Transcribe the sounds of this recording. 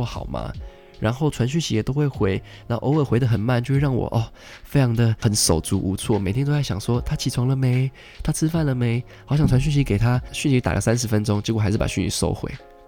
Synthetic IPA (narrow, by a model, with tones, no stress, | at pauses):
xɑ˨˩ʊma̰˧ | ɻa˧˥nxo˥˩ʊʈ͡ʂʰwa˧˦nɕ̬y˥˩ɕi˧˥jɛ˨˩t̪o˥ʊxwe˥˩xwe˧˥ɪ | na˨˥˨ʔo˧˦we˥˩ɪxwe˧ɪd̪ə˨xə˨˩nma˥˩˨nt͡ɕjo˥˧ʊwɻɑ˥˩ŋwɔ̰˨˩ʔɔ˥˧˩ | fe˥ɪjʰɑ˧˥ŋd̪ə˨xə˨˦nʂo˨˩ʊt͡su˧˦˥ʔu˧˥t͡sʰwɔ˥˩me˨˩t̪ʰjno˥t͡sa˥˩ɕjɑ̰˨˩ŋʂwɔ˥t̪ʰa˥t͡ɕʰi˨˩t͡sʰʊ˧˥˦ŋlə˨me˧˦ɪ | t̪ʰa˥t͡sʰɹ̩˥fa˥˩nlə˨me˧˦ɪ | xɑ˨˧ʊɕjɑ˨˩ŋt͡sʰa˧˦nɕ̬y˥˩ɕ̬i˧˥ke˨˩ɪt̪ʰa˦˥ɕy˥˧nli˧˥t̪a̰˨lə̰˨˦sa˦nʂ̬ɻ̩˧˥fə˦nʈ͡ʂo˥ŋt͡ɕi˧˥kwɔ˨˩a˧˥ɪʂɻ̩˥˩pa̰˨˩ɕy˥˩nḭ˧˥˦ʂo̰˥ʊxwḛ˧˦ɪ